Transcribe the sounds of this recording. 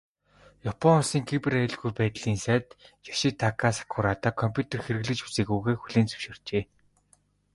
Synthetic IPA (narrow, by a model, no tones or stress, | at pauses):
japʰɔnsiːŋkʰipɘraɮɣujpæːt̪ɮiːnsæːt̪jaʃit̪ʰakʰasḁkʰʊɾaːt̪aːkʰɔmpʲjut̪ʰerxeɾɘ̆ɣɮɘ̆t͡ɕu̥seːɣuːɣeːxuɮeːnt͡sɵ̥wʃɪ̆r̥t͡ɕeː